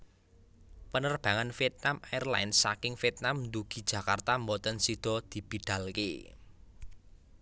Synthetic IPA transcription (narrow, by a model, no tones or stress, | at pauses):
pənərb̥a̤ŋanfiɛt̪̚namajərla̰ɪnsːakɪŋfiɛt̪̚namnd̪uɡ̥i̤d̥ʒ̥ä̤kart̪ambɔt̪ənsid̪̥ɔ̤d̪̥i̤b̥i̤ɖ̪̥a̤lke